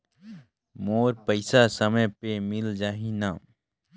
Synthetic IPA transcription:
moːɾpəɪsasəməjpemɪld͡ʒaːɦina

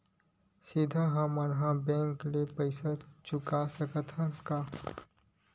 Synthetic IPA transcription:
sɪd̪ʱaɦɐmənɦãbɛ̃ːŋklepəɪsat͡ʃʊkasəkət̪ʰə̃kaː

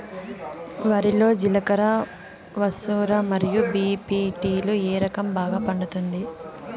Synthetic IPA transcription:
ʋaːɾilo̞ːd͡ʒilɐkɐɾɐ | ʋɐsuːɾamɐɾijubiːpiːʈiːloeːɾɐkɐmbaːɡaːpɐɳɖut̪und̪i

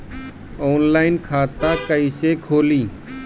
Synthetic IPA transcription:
oːnlaːɪnkʰaːt̪aːkəisekʰoːliː

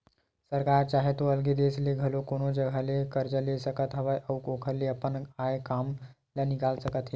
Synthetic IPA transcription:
səɾkaɾt͡ʃaɦet̪oəlɡed̪esleɡʱɐlokonod͡ʒəɡʱalekəɾd͡ʒəlesəkət̪ɦəʋəjʔəukokʰəɾleəpənaekam | lənɪkalsəkət̪ɦe

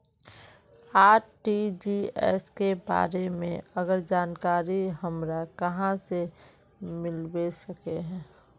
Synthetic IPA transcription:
aːʈid͡ʒiɛ̰skeba̰ːɾemḛ̃əɡəɾd͡ʒaːnkaːɾiɦəmɾakəɦãse | mɪlbesəkeɦɛ̃ː

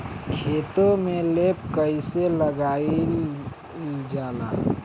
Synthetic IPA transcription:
kʰeːt̪omẽleːp̚kəiseləɡaːi | d͡ʒaːla̰ː

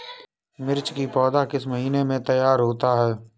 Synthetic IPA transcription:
mɪɾt͡ʃkipɔːd̪akɪsməɦiːnemẽt̪əjaːɾɦoːt̪aɦɛː

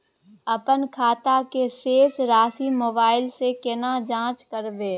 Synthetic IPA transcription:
ɐpənkʰaːt̪akeseːsɾaːsimoːbaːɪlsekɪnad͡ʒãːt͡ʃkəɾbeː

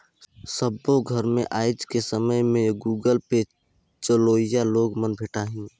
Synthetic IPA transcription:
səboɡʱəɾmẽʔaːɪd͡ʒkesəməjmẽɡuːɡəlped͡ʒ | t͡ʃəloːɪjaloːɡmənbʱeːʈaɦĩː

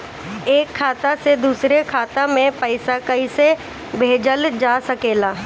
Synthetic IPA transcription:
eːkʰːaːt̪ased̪uːsɾekʰaːt̪amẽpəɪsakɐise | bʱeːd͡ʒəld͡ʒaːsɐkeːlaː

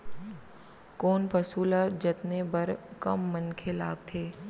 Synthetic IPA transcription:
koːnpɐsuːlad͡ʒɐt̪nebəɾkəmːənkʰelaːɡ̚t̪ʰeː

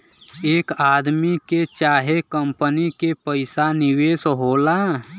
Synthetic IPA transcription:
eːkaːd̪miket͡ʃaːɦekəmpənikepəɪsanɪweːsɦoːla

